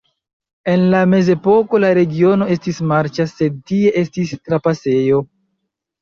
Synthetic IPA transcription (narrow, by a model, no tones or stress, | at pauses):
e̞nlame̞ze̞po̞ko̞laɾe̞ɡio̞no̞e̞stismaɾt͡ʃase̞d̚tie̞ʔe̞stistɾapase̞jo̞